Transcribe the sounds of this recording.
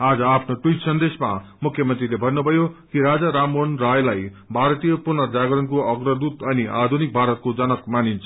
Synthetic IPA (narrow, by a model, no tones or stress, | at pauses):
ad͡zʌapʰnoʈujʈsʌnd̪esmamukʰjʌmʌnt̪rilebʱʌnːubʱʌjokiɾad͡zaɾamonrajlaj | bʱaɾt̪ijʌpurnʌd͡zaɡʌɾʌnkoʌɡrʌd̪ut̪ʌniʔa̰d̪ʱunik̚bʱaɾʌt̪̚kod͡zʌnʌkmanint͡sʰʌ